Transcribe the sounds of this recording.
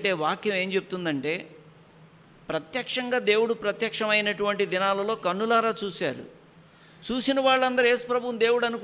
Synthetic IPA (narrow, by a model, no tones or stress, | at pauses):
ʈe̞ːʋaːkjɐme̞ːɲt͡ʃe̞but̪und̪ɐɳʈe̞ː | pɾɐt̪jɐkʂɐŋɡaːd̪e̞ːwuɽupɾɐt̪jɐkʂɐmɐjnɐʈuʋɐɳʈid̪inaːlɐlo̞ːkɐnːulaːɾaːt͡ʃuːsaːɾṵ | t͡ʃuːsinɐʋaːɭːɐnd̪ɐɾeːspɾɐbʱuwɐmd̪e̞ːwuɽɐnuk